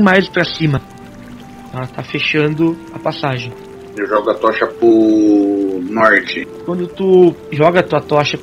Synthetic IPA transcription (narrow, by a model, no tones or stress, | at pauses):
majspɾɐsĩmɐ | ɛlɐt̪afeʃɐ̃nd̪ʊɐpasaʒẽj̃ | eʒɔɡʊɐt̪ɔʃɐpʊ | nɔɾt͡ʃɪkwɐ̃nd̪ʊt̪uʒɔɡɐt̪uɐt̪ɔʃɐ